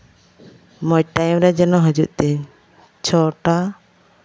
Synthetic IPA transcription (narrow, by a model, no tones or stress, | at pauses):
mɔjʈajmɾɛd͡ʒɛnɔɦɔd͡ʒuʔt̪ɛ | t͡ʃʰɔʈa